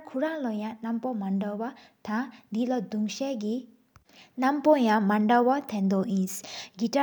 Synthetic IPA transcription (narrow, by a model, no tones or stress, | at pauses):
kʰuɾãlɔjãnampɔmaɳɖɔwa | t̪ʰãd̪ilɔd̪uŋʃɛɡi | nampɔjãmaɳɖawɔt̪ʰɛ̃nd̪ɔʔĩsɡiʈa